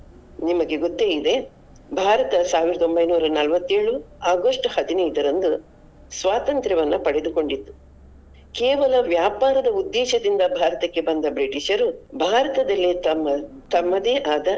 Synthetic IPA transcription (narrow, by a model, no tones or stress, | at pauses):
nimɐɡeɡot̪ːeːid̪e̞ | bʱaːɾɐt̪ɐsaːʋiɾɐd̪o̞mbɐjnuːɾɐnɐlʋɐt̪ːe̞ːɭuaːɡɐʂʈhɐd̪inɐjd̪ɐɾɐnd̪u | sʋaːt̪ɐnt̪ɾɐʋɐnːupɐɽed̪uko̞ɳɖit̪ːu̥ | keːʋɐlɐʋjaːpaːɾɐd̪ɐud̪ːɛːʃɐd̪ind̪ɐbʱaːɾɐt̪ɐkːe̞bɐnd̪ɐbɾiʈiʃɐɾubʱaːɾɐt̪ɐd̪ɐlːit̪ɐmːɐt̪ɐmːɐd̪eːʔaːd̪ɐ